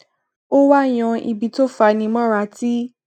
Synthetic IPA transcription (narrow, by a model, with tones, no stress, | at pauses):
o˦wa˦˨j̃ɔ̃˧ḭ˧bi˨˧to˦fa˧nĩ˧˦mɔ̃˦ɾa˧ti˦